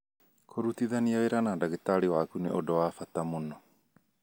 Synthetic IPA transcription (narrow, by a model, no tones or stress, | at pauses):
kʰoɾut̪iðaniaweɾanaːndaɣet̪aɾiwakunḛʔodowafat̪amonɔ